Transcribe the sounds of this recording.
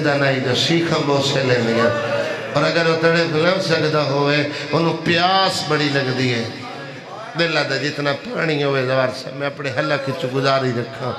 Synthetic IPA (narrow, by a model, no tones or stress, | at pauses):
d̪aːnaːiːd̪oːsiːkʰãːboːseːlɛ̃ːnd̪iːãːpəɾəɡəɾoːt̪əɽeːpələːsəkd̪aːɦoːʋeːonũːpɪjaːsbəɽiːləɡd̪iːɛː | beːlaːd̪aːd͡ʒɪt̪nãːpaːɽ̃iːoːʋeːzaːɾsa̰ːmɛ̃ːəpɳeːɦəlaːkɪt͡ʃɡʊzaːɾiːɾəkʰːãː